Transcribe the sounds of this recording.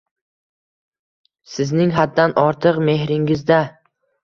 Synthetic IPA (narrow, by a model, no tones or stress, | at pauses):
sɪznɪŋɦad̪ːanʔɒɾt̪ʰɨqme̞hɾɪŋɪzd̪a